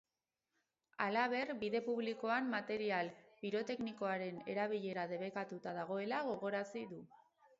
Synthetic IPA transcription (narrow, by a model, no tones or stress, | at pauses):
alaβe̞rbiðe̞puβ̞liko̞ammat̪e̞ɾialpiɾo̞t̪e̞kniko̞aɾe̞ne̞ɾaβ̞iʎe̞ɾaðe̞βe̞kat̪ut̪aðaɣ̞o̞e̞laɣo̞ɣ̞o̞ɾasiðu